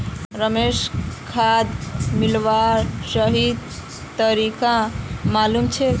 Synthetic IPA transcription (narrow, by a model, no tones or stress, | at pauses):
ɾəmeskʰad̪milʋaɾsəɦid̪ | t̪əɾikãmalumt͡ʃʰɛ